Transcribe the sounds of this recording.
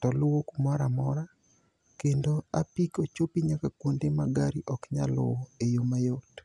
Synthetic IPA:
tɔlʊwokumɔɾamɔɾa | kendoapikot͡ʃopiɲakakwondemaɡaɾiʔɔkɲa̰lo̰ejomajot

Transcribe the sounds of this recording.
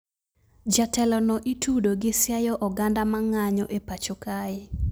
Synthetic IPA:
d͡ʒatɛlɔnɔʔitudoɡɪsjajɔʔɔɡandamaŋaɲɔʔepat͡ʃokaɪ

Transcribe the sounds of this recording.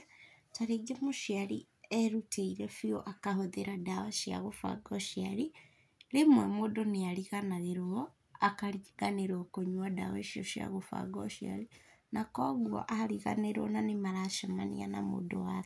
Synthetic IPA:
taɾeɡemoʃiaɾi | ɛɾutʰeiɾɛfioʔakahoðeɾadawaʃia̰ɣofa̰ɡɔʃiaɾi | lemwɛmodoneaɾiɣanaɣeɾoɔ | akaɾiɣaneɾokoɲwada̰wɛʃio̰ʃja̰ɣofa̰ɡɔʃia̰linakɔɣwɔ̰ʔaɾiɣa̰neɾɔnanemaɾaʃamanḭa̰na̰mo̰dowak

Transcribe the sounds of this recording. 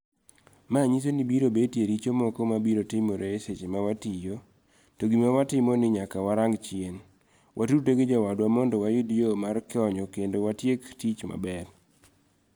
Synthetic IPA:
maɲis̬onibiɾobetjeɾit͡ʃomɔkɔmabiɾotɪmoɾeeset͡ʃemawatijo | toɡimawatɪmɔnɪɲakawaɾaŋɡt͡ʃjen | wʔatuɾteɡɪd͡ʒawadwamɔndɔwajʊdjomarkɪɔɲɔkendowatjektit͡ʃma̰bɛr

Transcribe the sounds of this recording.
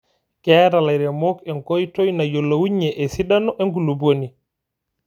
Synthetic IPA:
kɛːɾalaɾɛmɔkɛŋkɔjtɔjnajɔlːowuɲːɛʔɛsiɗanɔʔɛŋɡ̬uluboni

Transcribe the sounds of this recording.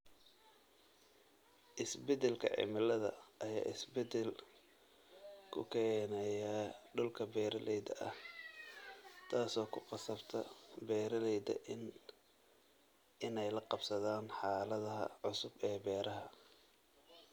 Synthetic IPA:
ʔɪsbɛdɛlkʰɐ̰ʕɪ̰mɪlɐðɐ̰ʔɐja̰ːɪsbɛd̪ɛl | kʰʊ̰kʰɛːnɐjɐɖʊlkʰɐbɛːɾɐlɛjd̪ɐʔɐh | t̪ʰaːsɔːkʰʊqɑsɐbt̪ʰɐbɛːɾɐlɛjd̪ɐ̰ʔɪn | ɪnɛjlɐqɑbsɐðaːnħɑːlɐðɐɦɐ̰ʕʊsʊbɛːbɛːɾɐɦɐ

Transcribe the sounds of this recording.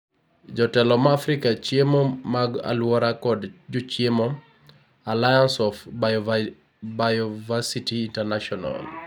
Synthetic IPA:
d͡ʒɔtɛlɔmafɾikat͡ʃjemomaɡa̰lwɔɾakɔdd͡ʒot͡ʃjemo | alajansɔf | bajɔvasitiːntɛɾnaʃɔna̰l

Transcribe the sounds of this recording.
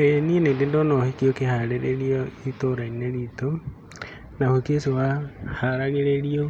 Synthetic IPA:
ejenienendendɔnɔhekjokehaɾeɾeɾioitoɾaineɾito | nahokesewahaɾaɾeɾeɾio

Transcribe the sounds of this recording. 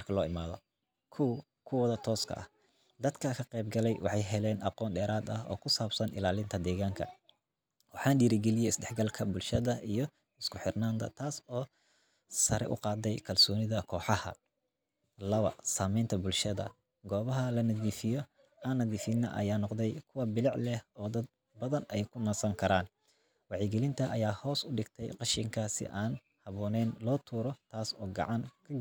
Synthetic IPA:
mɐrkʰɐlɔːɪmaːðɔ | kʰʊw | kʰʊwɐðɐt̪ʰɔːskʰɐ̰ʔɐh | d̪ɐd̪kʰɐkʰɐqɛjbɡɐlɛjwʔɑ̰ħɑjɦɛlɛːnʔɑqɔːnɖɛːɾaːd̪ɐ̰hɔ̰ːkʰʊsaːbsɐnʔɪ̰laːlɪnt̪ʰɐd̪ɛːɣaːŋkʰɐ̰ | wɑħɑːnɖiːɾɪɡɛlɪjɛɪsdɛħɡɐlkʰɐbʊlʃɐðɐijɞ | ɪskʰʊħɪrnaːnd̪ʰɐ̰t̪ʰaːsɔː | sɐɾɛ̰ʔʊ̰qɑːd̪ɛjkʰɐlsɔːnɪðɐkʰɔːħɑhɐ̰ | lɐβɐ̰saːmɛjnt̪ʰɐbʊlʃɐðɐ̰ | ɡɔːβɐɦɐlɐnɐðiːfɪjɔ | anːɐðiːfɪnɐ̰ʔɐ̰jaːnɔqd̪ɛjkʰʊwɐbɪlɪʕlɛhɔːd̪ɐd̪̚ | bɐðɐnɛjkʰʊnɐsɐŋkʰɐɾaːn | wɑʕɪɡɛlɪnt̪ʰɐʔɐjaːhɔːsʊɖɪɡt̪ʰɛ̰jqɑʃɪŋkʰasɪ̰ʔaːn | hɐβɔːnɛːnlɔːt̪ʰuːɾɔt̪ʰaːsɔːɡɑ̰ʕɑŋkʰɐɡ

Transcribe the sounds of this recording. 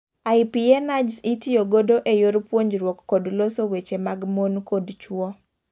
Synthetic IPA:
aɪpienad͡ʒsitɪjoɡodoʔejoɾpwoɲd͡ʒɾwɔkːodlosowet͡ʃemaɡmonkodt͡ʃwɔ

